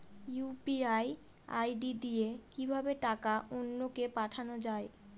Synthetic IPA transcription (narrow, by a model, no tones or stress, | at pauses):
jupiaj | a̰jɖid̪ijekibʱabeʈakaʔonːokepaʈʰanod͡ʑae